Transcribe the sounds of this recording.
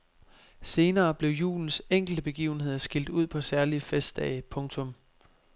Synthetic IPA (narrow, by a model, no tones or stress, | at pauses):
se̝ːnɐːb̥le̝ʊjṵːln̩seŋ̰ɡ̥l̩d̥əb̥e̝ɡ̥ḭːʊn̩he̝ð̞̰ˠɐsɡ̥il̰d̥uð̞̰ˠpʰɒ̽sæɐlifesd̥ɛ̰ɪpʰɔ̽ŋt͡sʰɔ̽m